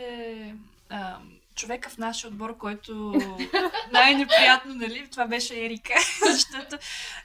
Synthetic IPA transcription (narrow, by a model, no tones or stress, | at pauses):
ɛ | ə | t͡ʃovɛkəfnaʃiod̪̚bɔɾkɔjt̪o | najnɛpɾijat̪nonɐlit̪ovabɛʃɛɛɾikəzɐʃt̪ɔt̪o